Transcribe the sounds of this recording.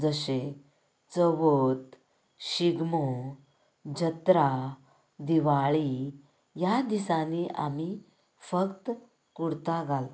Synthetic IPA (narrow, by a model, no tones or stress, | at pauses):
d͡zəɕe | t͡səʋot̪ | ɕiɡmo | d͡ʑət̪ɾa | d̪iʋaɭi | jad̪isaniʔa̰mi | fəkt̪ | kuɽt̪aɡal